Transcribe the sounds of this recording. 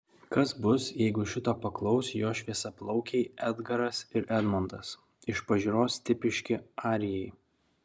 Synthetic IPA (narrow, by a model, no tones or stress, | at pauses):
kɐsbʊsjɛɪɡʊʃʲɪt̪oːpɐklˠɒʊsʲjoːʃʲʋʲiɛsɐplˠɒʊkʲɛɪɛd̪ɡɐɾɐsɪɾʔɛd̪mɔnd̪ɐs | ɪʃpɐʒʲɪːɾoːst̪ʲɪpʲɪʃʲkʲɪɑːɾʲɪjɛɪ